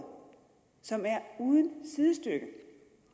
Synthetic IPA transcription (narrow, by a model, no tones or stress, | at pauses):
sɒ̽mæɐuːðˠənsiðˠəsd̥øɡ̥ə